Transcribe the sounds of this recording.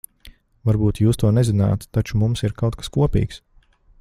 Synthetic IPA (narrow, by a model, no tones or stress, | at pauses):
vaɾbuːt̪juːst̪uɔnɛzina̰ːt̪ːat͡ʃumumsiɾkawt̪̚kḁskuɔpḭːks